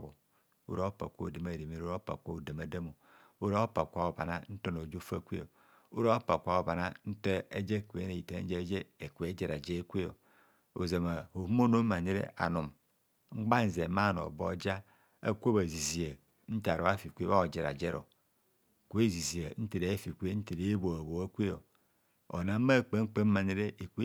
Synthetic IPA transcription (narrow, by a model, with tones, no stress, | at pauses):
bo̰˨ | o̰˦ɾa˦o˦pa̰˨kʷo˦˨de˨ma˦˨de˨me˦ɾo˦ɾpa̰˨kʷa˦o˨da˨ma˨da˦mo˨ | o˦ɾa˦pa˨kʷa˨o˨ba̰˨na̰˦n̩˦to˦no˨d͡ʒo˦fa˦˨kʷḛ˦o˨ | o˦ɾa˦o˦pa˨kʷa˨o˨ba˨na˦n̩˦te˦e˦d͡ʒe˦˨kʷe˨˦ne˨i˨ta̰˦d͡ʒe˦d͡ʒe˦e˨kʷe˦d͡ʒe˨ɾa˨d͡ʒe˦kʷe˦o̰˨ | o˨za˨ma˨ho˨˦mo˦no˦ma˨ɲi˦ɾḛ˦a̰˨nu˨m | ŋ͡m̩˦ɡ͡ba˦n̩˨ze˨ma˦˨no̰˨bo˦d͡ʒa˦ | a̰˦kʷo˦ba˨zi˨zi˨a˨ | n̩˦ta˨ɾo˨˦a˦fi˨kʷe˦βa˦o˨d͡ʒe˨ɾa̰˨d͡ʒe˦ɾo̰˨ | ku˨˦e˦zi˨zi˨a˨˦n̩˦te˨ɾe˨˦fi˨kʷe˦n̩˦te˨ɾe˨˦bo˨a˨bo˨a˦kʷe˦o˨ | o˨na˨˦ma˦˨k͡pe˨ŋ͡m̩˦k͡pe˦ma˨ni˦ɾe˦ʔe˨kʷe˦